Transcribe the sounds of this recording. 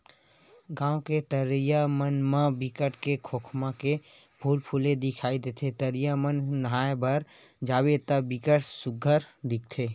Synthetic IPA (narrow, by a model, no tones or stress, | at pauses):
ɡãːoket̪əɾjamənmãbɪkəʈkekʰoːkʰmãke | bʱuːlpʰuːlẽd̪ɪkʰaːid̪eːt̪ʰet̪əɾɪjamənːəɦaːjbəɾ | d͡ʒaːbet̪abɪkəʈsʊɡʱəɾd̪ɪk̚ʰt̪ʰeː